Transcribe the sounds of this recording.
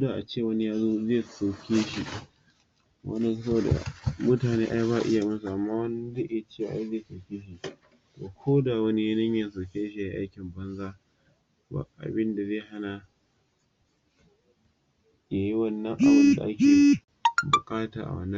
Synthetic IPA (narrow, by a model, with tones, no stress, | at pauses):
o˦daː˨ʔa˨t͡ʃeː˦˨wɐ˦ni˦jaː˦zo˦zeː˦˨sa˨kʲʰeː˦ʃi˨ | wɐ̰˦n˦sɐ˦bo˨da̰˨mʊ˦taː˨neː˦ʔa˦jbaː˦˨ʔɪ˦ja˨mɐ˦s̬u˨ʔa˨mːaː˦wɐ˦n˦de˦ʔa˦˨t͡ʃeː˦˨wa˨ʔa̰˦jzeː˦˨sɐ˨kʲeː˦ʃi˦˨ | to̰ː˨kʰʷoː˦da˨wɐ˦ni˦ja˦nɪ˦ɲjɐ˨s̬ɐ˨kʲeː˦ʃi˨a˨˦ʔa̰˦jkʲɪ˨mbɐ˦nzaː˦ | ba̰˦˨ʔa̰˨bɪ˦nda˨zeː˦˨ha˦na˨ | ja˨ji˦wɐ˦˨nːɐ˦ŋʔa˨bɪ˦nda˨ʔa˦kʲeː˨˦ | bʊ˨kʼaː˦taː˨ʔa̰˨wɐ̰˦nːɐ˦